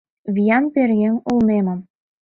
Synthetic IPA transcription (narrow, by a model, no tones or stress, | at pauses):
βijɑnperɣeŋulnemə̆m